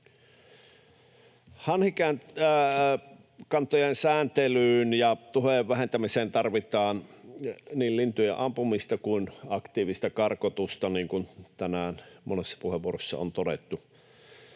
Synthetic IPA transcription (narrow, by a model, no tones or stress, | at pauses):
hɑnhikæːn | kɑnt̪ojensæːnt̪elyːnjɑt̪uheˑʋʋæhent̪æmiseːnt̪ɑrʋit̪ɑːn | niːllint̪ujeʔɑmpumist̪ɑkuinɑkt̪iːʋist̪ækɑrkot̪ust̪ɑniːŋkunt̪ænæːnmʔonesːɑ̥puheʋuorosːɑ̰o̰nt̪odḛt̪ːu